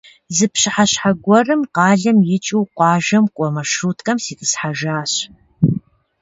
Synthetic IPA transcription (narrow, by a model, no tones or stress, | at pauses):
zɨpɕɪħaɕħaɡʷɔrɨmqɑːɮɐmjɪt͡ʃʼiwqʷɑːʒɐmkʷʼɔmɐʃuːtʰʼkʼɐmsiːtʼɨsħaʒaːɕ